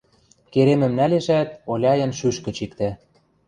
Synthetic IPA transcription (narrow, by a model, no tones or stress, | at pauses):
keɾemɘ̆mnæleʃæt̪olʲɑjɤ̆nʃyʃkə̆t͡ɕikt̪æ